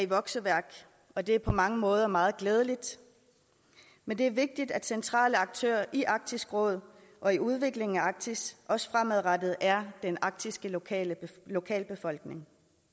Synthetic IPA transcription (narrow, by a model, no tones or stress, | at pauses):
æiʋɒ̽ɡ̥səʋæɐɡ̥ | ɒ̽d̥e̝æɐpʰɒ̽mɑ̈ŋəmɔ̽ːð̞ˠɐmɑ̈ːð̞̩ˠɡ̥leːð̞ˠəlid̥ | mend̥e̝æɐʋe̝ɡ̥̚d̥id̥æd̥sent͡sʰʁɑ̰̈ːləɑ̈ɡ̥̚t͡sʰø̰ːɐ̰ʔiʔɑ̈ɡ̥̚d̥ʰisɡ̥ʁɔ̽ːð̞ˠ | ʔɒ̽iuð̞ˠʋe̝ɡ̥le̝ŋ̩æɑ̈ɡ̥̚t͡sʰisʔɒ̽sə̥fʁamæðˠʁɑd̥ð̞̩ˠʔæɐd̥enɑ̈ɡ̥̚d̥isɡ̥ə̰ | lo̝kʰɛ̰ːlb̥e̝fɒ̽l̰ɡ̥ne̝ŋ